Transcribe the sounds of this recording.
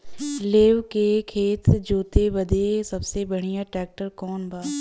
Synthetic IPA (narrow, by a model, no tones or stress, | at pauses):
leːʋkekʰeːt̪d͡ʒoːt̪ebɐd̪ʱesɐbsebɐɽ̤̃ijãʈɾɛːk̚ʈəɾkɔːnbaː